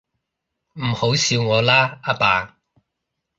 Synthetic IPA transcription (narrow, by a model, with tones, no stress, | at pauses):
m̩˨˩ho˨˥wsiː˧wŋɔː˨˧laː˥aː˥paː˨˧